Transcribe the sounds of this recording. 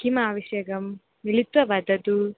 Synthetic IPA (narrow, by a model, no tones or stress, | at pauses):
kimɐaːʋɐʃjɐɡɐmː | ilit̪ʋɐʋad̪ɐd̪u